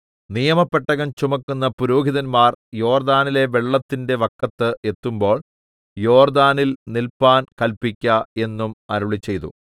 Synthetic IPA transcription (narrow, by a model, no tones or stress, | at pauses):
nijɐmɐpːeʈːɐɣɐmt͡ɕumɐkːunːɐpuɾuːɡiðɐnmaːrjo̞ːrd̪aːnile̞ʋe̞ɭːɐt̪ːinde̞ʋɐkːɐt̪ːɨʔe̞t̪ːumbo̞ːɭ | jo̞ːrd̪aːnilnilpaːnkɐlpikʲːɐe̞nːumɐɾuɭit͡ɕːe̞jt̪ṵ